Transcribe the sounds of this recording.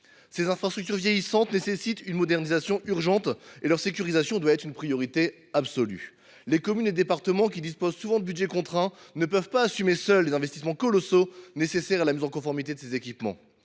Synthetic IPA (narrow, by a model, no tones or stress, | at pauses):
sezɛ̃fχast̪χyk̚t̪̬yʁvjejisɑ̃t̪nesesit̪ynmɔd̪ɛʁnizasjɔ̃ʔyʁʒɑ̃t̪elœʁsek̬ʲyʁizasjɔ̃d̪watɛt̪χynpχijɔʁit̪e | absɔly̰ | lekɔmyned̪epaʁt̪əmɑ̃kʲid̪ispozsuvɑ̃d̪əbydʒɛkɔ̃t̪χɛ̃nəpœvpaːsymesœlːezɛ̃vɛst̪ismɑ̃kɔlɔsonesesɛʁalamizɑ̃kɔ̃fɔʁmit̪ed̪əsezekʲipmɑ̰̃